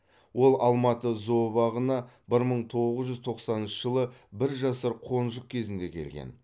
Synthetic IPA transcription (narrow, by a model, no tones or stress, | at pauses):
wo̞lˠʔɑlˠmɑt̪əzo̞bɑʁənɑbɪɾməɴt̪ʰo̞ʁʁəzʒʏzt̪ʰo̞qsɑnənʃəʒəlˠəbɪɾʒɑsəɾqʰo̞nʒəq̚kʲʰe̞zɪnd̪e̞kʲʰe̞lɡʲḛn